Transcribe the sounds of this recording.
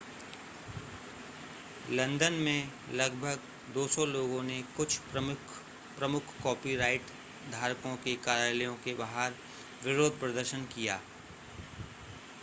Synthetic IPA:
lɐ̃nd̪ənmẽ | lɐɡbʱəɡ | d̪oːsɔloːɡõnekʊt͡ʃʰ | pɾɐmʊkʰkɔːpiɾaːɪʈ | d̪ʱaːɾkõkekaːɾjaːləjõkebaɦaːɾ | ʋɪɾoːd̪̚ʱpɾɐd̪əɾʃənkijaː

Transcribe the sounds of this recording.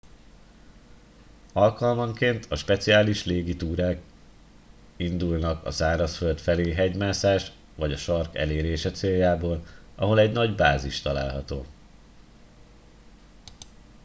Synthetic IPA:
ɒlkɒlmɒŋkeːnt̪ʰɒʃpɛt̪siaːliʃleːɡit̪uːɾaːk | ind̪ulnɒkɒ̰zaːɾɒsfølt̪fɛleːɦɛɟmaːsaːʃ | vɒɟɒʃɒrkɛ̰leːɾeːʃɛt̪seːjːaːboːlɒɦo̞lɛɟnɒɟbaːziʃt̪ɒla̰ːlɦɒt̪o̰ː

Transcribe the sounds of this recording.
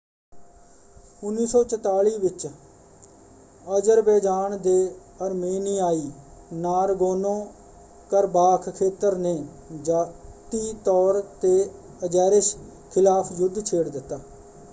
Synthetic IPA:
ʊnːiːsɔːt͡ʃət̪aːɭiːbɪt͡ʃ | əd͡ʒəɾbɛːd͡ʒ̪aːɳd̪eː | əɾmeːniːaːiːnaːɾɡoːnõː | kəɾbaːkʰkʰeːt̪əɾneː | d͡ʒaːt̪iːt̪ɔːɾt̪eː | əd͡ʒɛːɾɪʃ | kʰɪlaːpʰjʊd̪ːt͡ʃʰeːɽd̪ɪt̪ːaː

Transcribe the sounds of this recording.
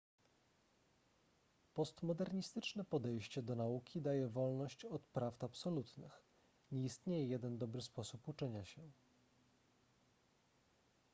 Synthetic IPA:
pɔst̪mɔd̪ɛɾɲist̪ɘt͡ʂnɛpɔd̪ɛjɕt͡ɕɛd̪ɔnaukʲid̪ajɛvɔlnɔɕt͡ɕɔt̪pɾaft̪apsɔlut̪nɘ̰x | ɲɛist̪ɲejɛjɛd̪ɛnd̪ɔbɾɘspɔsuput͡ʂɛɲaɕɛ

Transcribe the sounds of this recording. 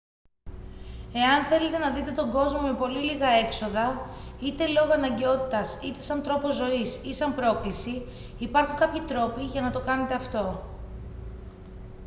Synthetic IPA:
e̞ɐnθe̞le̞t̪e̞nɐðit̪e̞t̪o̞ŋɡo̞zmo̞me̞po̞liliɣɐe̞kso̞ðɐit̪e̞lo̞ɣoɐnɐɲɟe̞o̞t̪i̥t̪ɐsit̪e̞̥sɐnt̪ɾo̞po̞zo̞isisɐmpɾo̞klisiː | pɐɾxuŋkɐpçit̪ɾo̞piʝɐnɐt̪o̞kɐne̞t̪e̞ɐft̪o̞

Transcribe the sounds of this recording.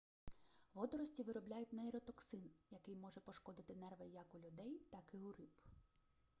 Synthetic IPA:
ʋɔd̪ɔɾɔsʲtʲiʋɪɾɔblʲajʊtʲnɛɛɾɔt̪ɔksɪnjɐkɪjmɔʒɛpɔʃkɔd̪ɪt̪ɪnɛrʋɐjɐkʊlʲʊd̪ɛjt̪ɑkɪʊɾɪp

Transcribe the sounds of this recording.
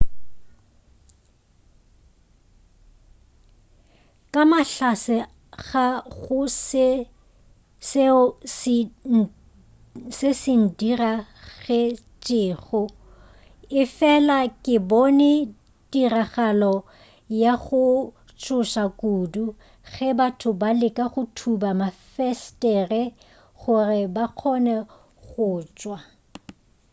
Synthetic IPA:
kʼamaɬasɪ | ɣaɣʊs | s | sɪsɪn̩diraɣɛ | t͡ʃʼɪːɣʊ | ɪfɛlakʼɪbɔnɛ | diraχalɔ | jaɣʊ | t͡ʃʰʼʊʃakʼuːdu | ɣɛbatʰʊbalɪkʼaχʊtʰubamafɛstʼɛrɛ | χʊrɪbaq͡χʰɔnɛ | ɣʊːt͡ʃʼwa

